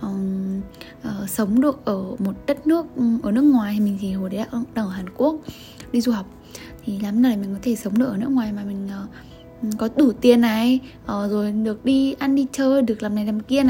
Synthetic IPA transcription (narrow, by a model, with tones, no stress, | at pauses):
ʔə˨˩ | ʔəː˨˩sə˨˦wŋ͡mɗɨ˨˩ək̚ʔəː˧˩mo˨˩t̚ɗə˦˥t̚nɨ˦˥ək̚ʔəː˧˩nɨ˦˥əkŋwaː˨˩ja˨mï˨˩ŋ̟t̪ʰi˨˩ho˨˩ɗə˨˦la̰ː˧˩ʔɗa˧ə˧˩ɦaː˨˩nku˦˥ək̚ | ɗi˧zu˨˩ɦa˨˩wk͡p̚ | t̪ʰi˨˩laː˨˦mzə˧˩la˨˩mï˨˩ŋ̟kɔ˨˦t̪ʰe˧˩sə˨˦wŋ͡mɗɨ˧˩əkʔəː˧˩nɨ˦˥əkŋwaː˨˩jmaː˨˩mï˨˩ŋ̟ʔəː˨˩˨ | kɔ˨˦t̪u˧˩t̪i˨˩ənːa˨˩j | ʔəː˨˩zo˨˩jɗɨ˨˩ək̚ɗi˧ʔa˧nɗi˧t͡ɕəː˧jɗɨ˨˩ək̚laː˨˩mna˨˩jlaː˨˩mki˧əna˨˩